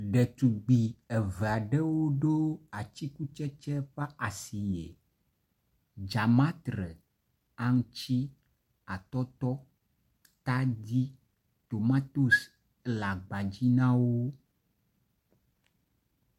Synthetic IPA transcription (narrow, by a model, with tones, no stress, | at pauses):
ɖɛ˨t̪u˨ɡ͡bi˨ɛ˨vɛ˨a˨ɖɛ˦wo˦ɖo˦a˨t͡ɕi˦ku˦t͡ʃɛ˦t͡ʃɛ˦ɸa˦a˨si˨jḛ˨ | d͡ʒa˨mã˦t̪ɾɛ˨ | a˦ŋ˦t͡ɕi˦ | a˨t̪ɔ˦t̪ɔ˦ | t̪a˦d̪i˦ | t̪o˨mã˦t̪o˦s | la˨ɡ͡ba˨d͡ʑi˦nã˦wo˦